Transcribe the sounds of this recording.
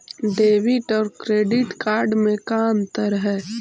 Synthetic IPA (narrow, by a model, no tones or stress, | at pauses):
ɖeːʋiʈɔːɾkɾeːɖɪʈkaːɾɖmẽkaːnt̪əɾɦɛː